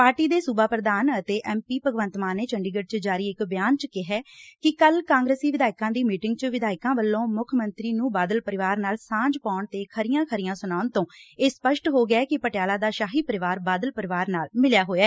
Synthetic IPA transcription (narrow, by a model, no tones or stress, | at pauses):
paːɾʈiːd̪eːsubaːpɾəd̪aːnət̪eːʔɛːmpiːpəɡʋənt̪maːneːt͡ʃəɳɖiːɡəɖ̚t͡ʃəd͡ʒaːɾiːɪkbɪjaːnt͡ʃəkɪɦɛːkɪkəlkãːŋɡɾeːsiːʋɪd̪aːɪkãːd̪iːmiːʈɪŋɡt͡ʃʋɪd̪aːɪkãːʋəlːõːmʊkʰmənt̪ɾiːnũːbaːd̪əlpəɾɪʋaːɾnaːlsãːd͡ʒpaːʊɳt̪eːkʰəɾɪjãːkʰəɾɪjãːsʊnaːʊnt̪õːeːspəʃʈɦoːɡɛːkɪpəʈɪjaːlaːd̪aːʃaːɦiːpəɾɪʋaːɾbaːd̪əlpəɾɪʋaːɾnaːlmɪljaːɦoːjɛː